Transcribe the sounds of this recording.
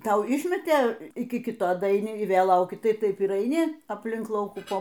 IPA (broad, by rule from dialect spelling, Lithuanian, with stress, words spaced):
ˈtɐʊ ˈɪʃʲmʲɛtʲeː ˈɪkʲɪ ˈkʲɪtoː dɐɐɪˈnʲɪ ɪ ˈʋʲeːlˠ ˈlˠɐʊkʲɪ ˈtɐɪ ˈtɐɪp ɪr ɐɪˈnʲɪ ɐpʲˈlʲɪŋk ˈlˠɐʊkuː ˈpoː